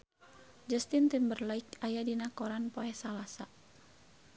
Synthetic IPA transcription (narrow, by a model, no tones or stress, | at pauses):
d͡ʒəst̪int̪imbərlaik̚ajadinakɔɾanpoɛsalasa